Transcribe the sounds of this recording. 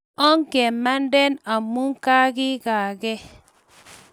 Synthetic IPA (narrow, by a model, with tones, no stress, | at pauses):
ɔ˦ŋ˦ke˨ma˦n˦de˦na˨mu˦ŋ˦ka˦ɡi˦ɡa˨ɡe˦